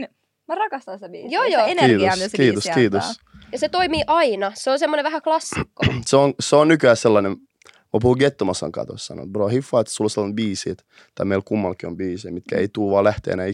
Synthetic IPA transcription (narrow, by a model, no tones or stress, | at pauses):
mrɑkɑst̪ɑnsebiːjoːjoniːt̪oskiːt̪oskiːt̪os | jɑset̪oimiːʔɑinɑseonsemːoneʋæhæklɑsːi̥kːoseonseonnykyæsselːɑnem | mɑpuhuɡet̪ːomɑsɑ̰ŋkɑ̰t̪o̰ssɑ̰no̰broːhifːɑːet̪ːsuloselːɑnbiːsḭet̪ | t̪ɑimeilkumːɑlkiombiːseimit̪kæḛit̪uːʋɑːlæht̪ḛːnæi